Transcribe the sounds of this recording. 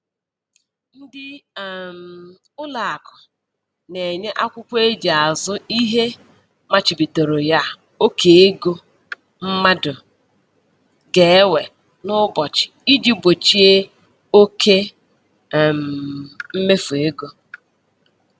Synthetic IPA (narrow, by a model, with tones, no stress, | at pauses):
n̩˦dɪ˦˨m̩˨ | ʊ˦la˨a˨kʊ̥˨ | ne˨ɲe˦ʔa˦kʷʊ˦kʷe˦d͡ʒi˨a˨zʊ˦i˦ɦe˦ | ma˨t͡ʃɪ˨bi˨to˨ɾʊ˨ja˦ | o˦kʰe˨e˦ɡo˦ | m̩˦ma˦dʊ˨ | ɡe˨˦we˨ | nʊ˦bɔ˨t͡ʃɪ̥˨i˦d͡ʒi˦bo˨t͡ʃi˦e˦ | o˦kʰe˦˨ | m̩˨m̩˦me˦fu˨e˦ɡo˦